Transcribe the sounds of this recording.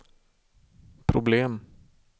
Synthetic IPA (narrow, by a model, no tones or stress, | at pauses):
pʰɾʊbleːm